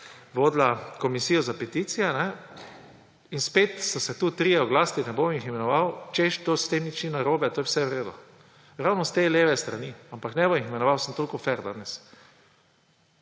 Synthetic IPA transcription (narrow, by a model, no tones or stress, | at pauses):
ʋoːd̪lakɔmisijɔzapɛt̪it̪sijɛnɛ | inspeːt̪st̪asɛt̪uːt̪ɾijɛɔɡlaːst̪inɛbomiximɛnɔʋawt͡ʃeʃt̪ost̪emit͡ʃinaɾoːbɛt̪oːjɛwsɛwɾeːd̪ṵ | ɾawnɔst̪eleːʋɛst̪ɾaniampaknɛbomiximɛnɔʋawsəmt̪oːlʲkɔfɛɾd̪a̰nɛs